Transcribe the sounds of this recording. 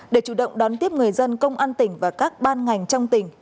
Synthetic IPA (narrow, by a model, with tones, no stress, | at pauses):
ɗe˧˩t͡ɕu˧˩ɗə̰˧˨wŋ͡mɗɔ˨˦nt̪i˦˥əp̚ŋɨ˨˩əjzə˧nkə˧wŋ͡mʔaː˧nt̪ï˨˩ŋ̟vaː˨˩kaː˦˥k̚ɓaː˧nŋa˨˩jŋ̟t͡ɕɔ˧wŋ͡mt̪ï˨˩ŋ̟